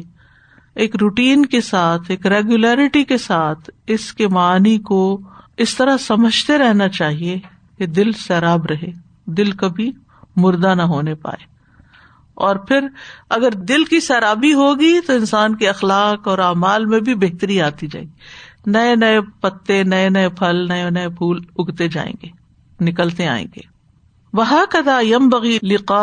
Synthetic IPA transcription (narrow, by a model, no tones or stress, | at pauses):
eːkɾuːʈiːnkesaːt̪ʰeːkɾeːɡjulɛːɾɪʈikesaːt̪ʰɪskemaaːnikoɪst̪ɐɾasɐməd͡ʒʱt̪eɾɛɦnat͡ʃaːɦie | ked̪ɪlsɛːɾaːbɾɐɦe | d̪ɪlkɐbʱi | mʊɾd̪anɐɦoːnepa̰ːeː | ɔːɾpʰɪɾɐɡəɾd̪ɪlkisɛːɾaːbiɦoːɡit̪oɪ̃nsaːnkeɐxlaːqɔːɾaːmaːlmẽbʱibeɦt̪əɾiaːt̪id͡ʒa̰ːḛɡinɐenɐepɐt̪ːenɐenɐepʰɐlnɐenɐepʰuːlʊɡt̪ed͡ʒa̰ːḛ̃ːɡeː | nɪkəlt̪ea̰ːḛ̃ːŋɡḛː | wɐɦaːkɐðaːjɐ̃mbɐɣilɪqaː